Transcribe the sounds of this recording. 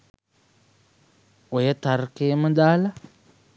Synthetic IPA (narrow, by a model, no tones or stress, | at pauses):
ojetaɾkemudala